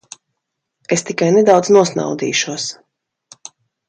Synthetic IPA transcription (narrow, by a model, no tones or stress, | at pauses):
est̪ikajned̪awd̪znuɔsna̰wd̪ḭːʃuɔs